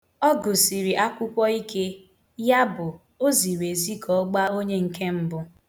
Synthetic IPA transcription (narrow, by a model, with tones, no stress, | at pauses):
ɔ˦ɡʊ˨si˨ɾi˨ʔa˦kʷʊ˦kʷɔ˦i˦ke˦ | ja˦bʊ˨ | o˦zi˨we˨zi˦kʰɔ˨˦ɡ͡ba˦o˦ɲe˦ŋ̩˨ke˦m̩˦bʊ˦